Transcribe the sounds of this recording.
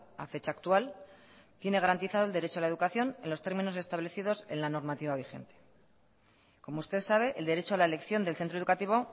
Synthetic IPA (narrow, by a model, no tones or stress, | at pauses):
a̰fe̞t͡ʃaːkt̪ual | t̪je̞ne̞ɣaɾant̪iθað̞old̪eɾe̞t͡ʃoalae̞ðukaθjo̞nenlo̞st̪e̞ɾmĩno̞s̬e̞st̪aβle̞θiðo̞se̞nlano̞ɾmat̪iβ̞aβ̞ixe̞̰nt̪e̥ | ko̞moust̪e̞ðsaβ̞e̞ʔeld̪e̞ɾe̞t͡ʃoalae̞le̞kθjo̞nd̪elθe̞nt̪ɾoe̞ðukat̪iβ̞o̞